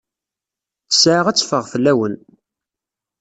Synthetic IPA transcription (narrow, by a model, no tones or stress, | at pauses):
sʕəʁæt͡sːfəʁfəlːæwən